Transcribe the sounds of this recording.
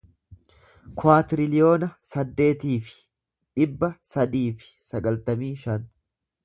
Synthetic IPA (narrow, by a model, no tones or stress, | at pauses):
kʊaːt̪ɪɾɪlɪjo̞ːnɐsɐd̪ːe̞ːt̪iːfɪ̥ | ᶑɪbːɐsɐd̪iːfɪ̥sɐɡɐlt̪ɐmiːʃɐn